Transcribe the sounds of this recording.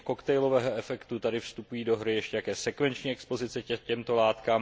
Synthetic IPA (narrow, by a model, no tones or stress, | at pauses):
kokt̪ɛjlovɛːɦoɛfɛkt̪ut̪adɪfst̪upujiːdo̞ɦɾɪjɛʃcɛjakjɛːsɛkvɛnt͡ʃɲiːɛkspo̞zɪt͡sɛɛcɛmt̪o̞laːt̪kaːm